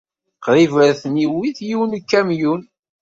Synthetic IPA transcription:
qɾˤivəɾθniwiθjiwnkːæmjun

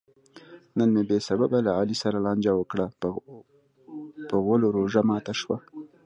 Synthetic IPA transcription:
nənmebesababalaɑlisaɾalɑnd͡ʒawəkɽa | pəɣwəloɾoʒamɑt̪aʃwa

